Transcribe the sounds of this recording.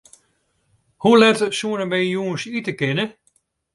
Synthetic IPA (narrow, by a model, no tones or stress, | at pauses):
hulɛtsuənəmɛjuːnsitəkɪnə